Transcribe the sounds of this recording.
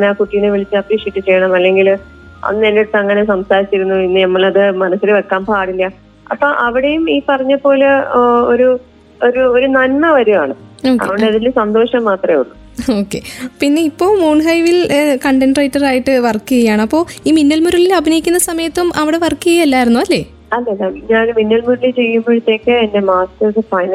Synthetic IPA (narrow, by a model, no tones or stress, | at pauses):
neaːkuʈːijɐneʋiɭit͡ɕːɨɐpriːʂiejʈːɨt͡ɕe̞jːɐɳɐmɐlːe̞ŋɡil | ɐ̰nːenːeʈːɨɐŋːɐne̞sɐmsaːɾit͡ɕːiɾunːuinːɨnɐmːɐɭɐðɨmɐnɐsːileʋekːaːmpaːɽilːɐ | ɐ̰pːoːʔɐʋiɽejumiːpɐrɐɲːɐpːo̞ːloɾu | oɾuoɾunɐnmɐʋɐɾumaːɳɨoːkɐḛʋieɐðilɨsɐnd̪o̞ːʂɐmːaːt̪rɐmeuɭːu | o̞ːkːe̞̰pinːe̞ipːo̞ːmuːɳɦɐjʋilkɐɳɖeɳɖrejiʈːɐraːjiʈːɨʋɐrkːɨɣɐjaːɳɐpːo̞ːiːminːɐlmuɾɐɭilɐbʱinɐjikʲːunːɐsɐmɐjɐt̪ːumʔɐʋiɽe̞ʋɐrkːɨɣɐjɐlːaːjiɾunːuɐlːe̞ː | ɐlːeɐlːaɲaːnminːɐlmuɾɐlilt͡ɕe̞jːumboɻut̪ːe̞ːkːɨendemaːstɐrsɨfɐjn